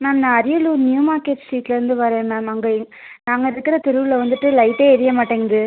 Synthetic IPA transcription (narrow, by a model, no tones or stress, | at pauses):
mɛːmnãːɐɾɪjɐluːnjuːmaːɾkeːʈsiːʈlɐɾɯnd̪ɯʋɐɾẽːmɛːmɐŋɡɐ | naːŋɡɐɪɾɯkːɪɾɐt̪ɪɾɯʋɪlɐʋɐnd̪ɯʈːɯlɐɪʈːeːɛɾɪjɐmaːʈːeːŋɡɐðɯ